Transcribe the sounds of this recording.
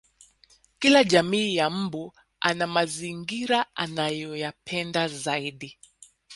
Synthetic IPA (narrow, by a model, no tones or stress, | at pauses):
kilaʄamiːjam̩bu | anamaziŋɡiɾaʔanajɔjapʰɛndazaiɗi